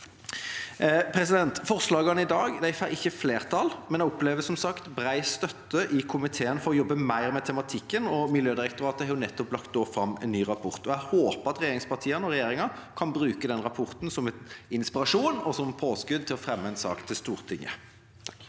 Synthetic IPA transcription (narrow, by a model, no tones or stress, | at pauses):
pʰɾɛsɪd̪ɛnt̪fɔʁʂlɑːɡɑnəɪd̪ɑːɡd̪æɪfæʔɪçːəfleːʁt̪ʰɑlmɛnɛɡɔpleːʋəsɔmsɑkt̪bɾæɪst̪œt̪ːəʔɪkʰʊmɪt̪ʰeːənfɔɾɔjɔbːəmæɪʁmɛt̪ʰɛmɑt̪ʰɪkːənɔmɪljøːd̪ɪɾɛkt̪ʊɾɑːt̪əhɑɾjʊnɛt̪ːɔplɑkt̪̚d̪oːfɾɑmːɛ̰nːyːʁɑpʰɔʁt̪ɔæhoːpəʁɑt̪ʁɛjeːɾɪŋspɑt̪ʰiːənɔʁɛjeːɾɪŋɑkʰɑnbɾʉːkəd̪ɛnʁɑpʰɔʁt̪n̩sɔmɛt̪ɪnspɪʁɑʂuːnɔsɔmpʰoːskʉd̪̚t̪ʰɪlɔfʁɛmːəɛnsɑ̰ːkt̪ʰɪlst̪uːʁt̪ʰɪŋːə̰